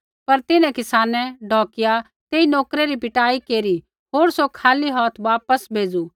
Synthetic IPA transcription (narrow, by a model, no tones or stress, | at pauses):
pɐɾt̪ɪnɛ̃kɪsaːnɛɖʱɔ̃ːkɪja | t̪eːinɔːkɾeɾipɪʈaːikeːɾi | ɦoːɾsokʰaːliɦɔːt̪ʰʋaːpəsbʱeːd͡zu